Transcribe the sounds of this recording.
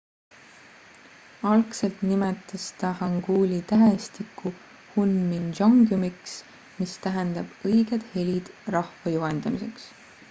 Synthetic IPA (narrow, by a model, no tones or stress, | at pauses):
ɑlkse̞lt̪nimet̪ːˑɑst̪ɑhɑŋɡ̥uːlʲit̪æɦest̪iku | hunmind͡ʒɑŋɡjumiks | mist̪æɦend̪ɑb̥ɤjɡ̥ed̪̥he̞lʲid̪̥rɑhvɑjuɦend̪̥ɑmise̞ks